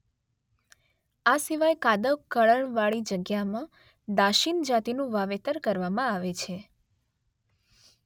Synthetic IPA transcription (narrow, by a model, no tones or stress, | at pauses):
asiʋajkad̪əkəɭəɳʋaɭid͡ʒəɡjamã | d̪aʃind͡ʒat̪inũʋaʋet̪əɾkəɾʋamãaʋet͡ʃʰe